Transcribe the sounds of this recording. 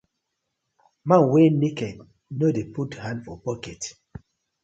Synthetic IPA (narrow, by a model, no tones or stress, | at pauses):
mãnwenikɛ | nodeputhãndfɔpɔkɛt